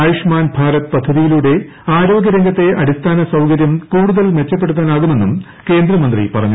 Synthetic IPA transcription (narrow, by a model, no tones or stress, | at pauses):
juʂmaːnbʱaːɾɐt̪pɐd̪ʱːɐðijiluɽe̞ | aːɾo̞ːɡʲjɐɾeŋɡʱɐt̪ːe̞ʔɐɾist̪ʰaːnɐsɐwkɐɾjɐmkuːɽuðɐlʋe̞t͡ɕːɐpːeɽut̪ːaːnaːɣume̞nːum | ke̞ːnd̪ɾɐmɐnd̪rḭpɐrɐɲːu